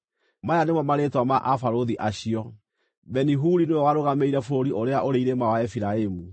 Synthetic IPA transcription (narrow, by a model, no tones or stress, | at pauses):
majanemwamaɾetwamaʔafaɾoðiʔaɕiɔ | bɛniɦuɾinewɔwaɾoɣameiɾɛfɾoɾiʔoɾeaʔoɾeiɾemawaɛfiɾaemu